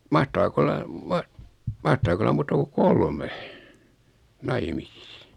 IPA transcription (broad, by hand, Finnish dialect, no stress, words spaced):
mɑhtɑːk olːɑ mɑh mɑhtɑːk olːɑ muːtɑ ku kolme nɑimisis